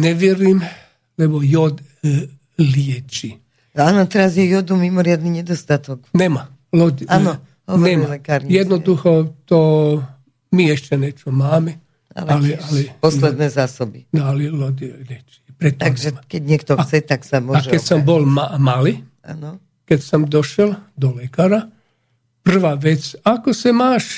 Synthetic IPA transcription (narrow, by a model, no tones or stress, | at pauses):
nɛʋjɛɾim | lɛbɔjɔd̪ | lɪɛt͡ʃi | aːnɔt̪ɛɾazjɛjɔd̪umimɔɾɪad̪niɲɛd̪ɔst̪at̪ɔknɛma | lɔd̪iaːnɔ | ɦɔʋnɔɛɾimːalɛkaːɾɲijɛd̪nɔd̪uxɔt̪ɔ | miɛʃcɛnɛt͡ʃɔmaːmɛ | a̰lɛalɛalɛpɔslɛd̪nɛːzaːsɔbḭnɔalɛlɔd̪iɾɛt͡ʃɛpɾɛt̪̚ːamɡsʒɛakɛɟɲɛkt̪ɔxt͡sɛt̪aksamʊɔaʒɛɛsɔmbɔlmamali | a̰nɔ | kɛcsɔmd̪ɔʃɛld̪ɔlɛkaːɾa | pr̩ʋaːʋɛt͡sakɔsimaːʃ